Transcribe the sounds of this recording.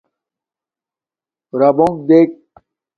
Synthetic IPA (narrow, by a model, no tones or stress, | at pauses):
ɾabõŋk̚d̪eːk̚